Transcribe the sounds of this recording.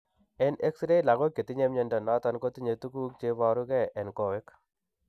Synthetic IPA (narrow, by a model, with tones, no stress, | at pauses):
ɛ˦ne˦ksɾe˦la˨ɡo˦kːe˨t̪i˦ɲe˦mɲe˦ndɔ˨nɔ˦t̪ɔ˦nko˦t̪i˦ɲe˨t̪u˦ku˦k̚t͡ʃe˦βa˨ɾu˦kɛ˦ʔɛ˨nkɔ˨we˦k